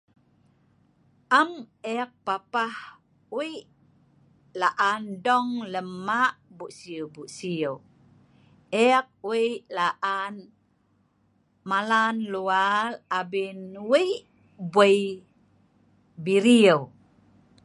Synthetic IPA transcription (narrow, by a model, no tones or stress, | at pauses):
ʔamɛk̚papah | wi | laʔandɔŋləmaʔbuʔsiuwbuʔsiəw | ɛk̚wijʔlaʔan | malanlualabinwiʔ | buəj | biɾiəw